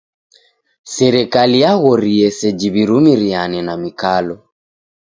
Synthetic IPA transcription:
sɛɾɛkalijaɣɔɾiɛsɛd͡ʒiβiɾumiɾianɛnamikalɔ

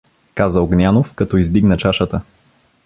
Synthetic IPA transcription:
kazəoɡnʲanofkɐt̪ɔizd̪iɡnət͡ʃaʃət̪ə

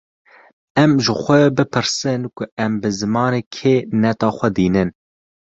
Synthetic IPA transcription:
ɛmʒɪxʷɛbɨpʰɨɾsɨnkʊɛmbɨzɨmɑːneːkʰeːnɛt̪ɑːxʷɛd̪iːnɨn

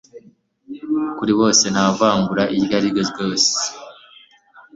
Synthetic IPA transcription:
kuɾiβo̞ːse̞n̥havaːŋɡuɾaʔiɾɡaɾiɡezjo̞ːse̥

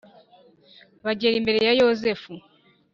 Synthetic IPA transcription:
βaɟeːɾimbe̞ɾe̞jajo̞ze̞fu

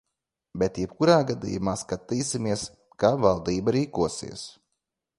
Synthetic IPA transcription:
bɛt̪jɛb̚kuɾaːɡad̪ḭjumaːskat̪iːsimiɛs | kavalˠd̪iːbaɾiːkuɔsḭɛs

